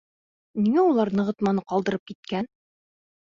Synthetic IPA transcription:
niŋæulˠɑɾnɤ̆ʁɤ̆t̪mɑnɤqɒlˠd̪ɤ̆ɾɤp̚kit̪̚kæn

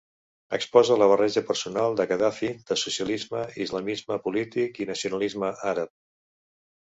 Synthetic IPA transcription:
əkspɔzələβ̞ərɛʒəpəɾsunalˠd̪əkəðafid̪̥əsusiəlizməizləmizməpulit̪ikinəsiunəlizməʔaɾəp̚

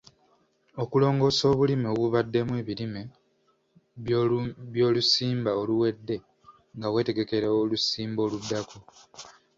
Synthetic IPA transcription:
o̞kulo̞ːŋɡo̞ːso̞ːβulimoβuβadːe̞mwe̞ːβilime | βjo̞ːlusiːmbaoluwe̞dːe̞ | ŋɡawe̞ːte̞ɡe̞ke̞ɾeolusiːmbo̞ːludːako

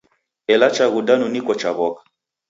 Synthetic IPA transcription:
ɛlat͡ʃaɣudanunikɔt͡ʃaβɔkḁ

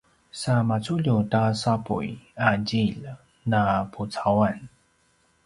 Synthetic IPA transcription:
samat͡suʎutasapṵjad͡ʑiʎ | napʰut͡sawan

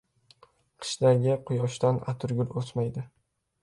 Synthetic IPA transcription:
qʰɨ̥ʃd̪aɡʲɪqʰʊjɒʃt̪ana̰t̪ʰʊɾɡʲʊɾosmajd̪ɪ

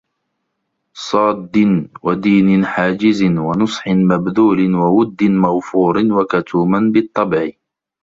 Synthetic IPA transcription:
sˤɑːd̪ːɪnwad̪iːnɪnħaːd͡ʒɪzɪnwanʊsˤħɪnmabðuːlɪnwawʊd̪ːɪnmaɣfuːɾɪnwakat̪ʰuːmanbɪt̪ˤːɑbʕɪ

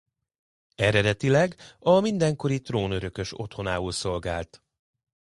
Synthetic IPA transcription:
ɛɾɛd̪ɛt̪ilɛɡɒmind̪ɛŋko̞ɾit̪roːnøɾø̞kø̞ʃo̞̰t̪ho̞naːulso̞lɡaːlt̪

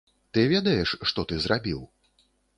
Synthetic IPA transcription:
t̪ɨvʲɛd̪ɐjɛʂːt̪ɔt̪ɨzɾabʲiw

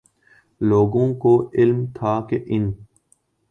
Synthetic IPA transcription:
loːɡõːkoːɪlmt̪ʰaːkeʔɪn

